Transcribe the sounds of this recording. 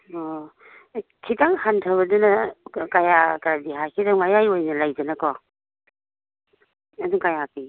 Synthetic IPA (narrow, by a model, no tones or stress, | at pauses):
ɔ | kʰitaŋhantʰaβɐdunɐkajakaɾadiɦakʰitaŋmajajojnɐlajd͡ʒɐnɐkɔ | ɐduŋkajapi